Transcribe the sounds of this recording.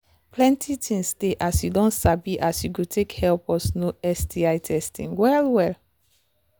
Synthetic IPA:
plɛ̃ntʰitʰĩŋsteʔasjudɔ̃nsabiʔasjuɡutʰekhɛlpɔsnoɛstiajtʰɛstḭ̃ŋwɛlwɛl

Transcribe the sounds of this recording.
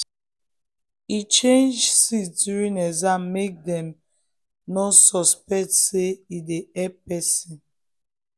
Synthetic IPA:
it͡ʃẽnd͡ʒsitdjuɹĩnɛzãmmek̚dɛ̃m | nɔsɔspɛk̚tseideɛpɛsĩn

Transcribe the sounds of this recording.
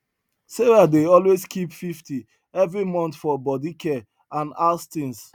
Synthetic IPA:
seɹadeɔlwezskʰipfifti | ɛvɹimɔ̃nt̪fɔbɔdikʰɛ | ãnastĩns

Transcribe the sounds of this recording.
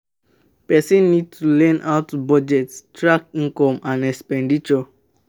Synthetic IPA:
pɛsĩnːid̚tulɛ̃nʔaʊtubɔd͡ʒɛtstɹakĩkɔ̃mãnɛkspɛ̃ndit͡ʃɔ

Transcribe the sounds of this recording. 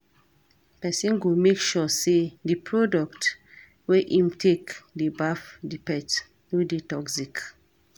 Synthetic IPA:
pɛsĩnɡumekʃɔsedipʰɹɔdɔkt | weʔĩmtʰekdibafdipɛt | widitɔksik

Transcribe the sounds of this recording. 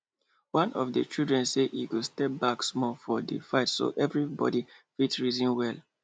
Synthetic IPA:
wãnʔɔfdət͡ʃildɹɛ̃nseḭkustɛp̚baksmɔfɔdə̰faɪtso̰ʔɛvɹibɔ̰difitsɹizĩnwɛlˠ

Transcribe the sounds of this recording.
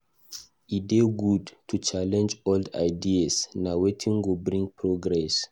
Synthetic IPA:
ideɡudtʰut͡ʃalɛ̃nd͡ʒɔlda̰jdiasnawetʰĩŋɡobɾĩŋpʰɹoɡɾɛs

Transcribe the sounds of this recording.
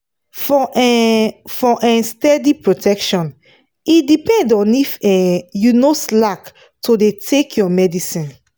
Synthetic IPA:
fɔ | fɔʔɛ̃nstɛdipɹotʰɛkʃɔ̃n | itdipɛ̃ndɔ̃nifɛjunoslak | tʰodetʰekʰjɔmɛdisĩn

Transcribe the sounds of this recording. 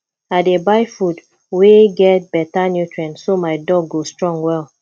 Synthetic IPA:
aɪdebaɪfud | weɡɛt̚b̥ɛtanjutɹɛ̃nsomajdɔɡːostɹɔ̃ŋɡwɛl

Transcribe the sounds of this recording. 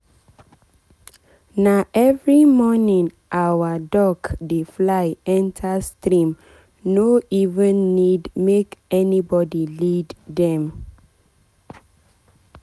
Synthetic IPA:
naʔɛvɹimɔnĩŋ | ʔawadɔkdeflaɪɛ̃ntʰastɹĩm | noivə̃nːidmekɛnibɔdilidðɛ̃m

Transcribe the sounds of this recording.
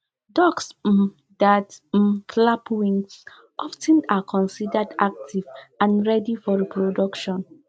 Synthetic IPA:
dɔks̩ | dat̩klapwĩŋs | ʔɔftʰɛ̃nakʰɔ̃nsidədak̚tʰivãnɹɛdifɔɹipʰɹodɔkʃɔ̃n

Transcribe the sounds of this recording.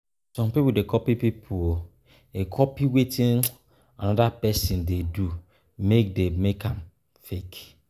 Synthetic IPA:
sɔ̃mpipudekʰɔpipipʰuo | ekʰɔpiwetʰĩn | anɔdapɛsĩndedu | mek̚demekãm | fek

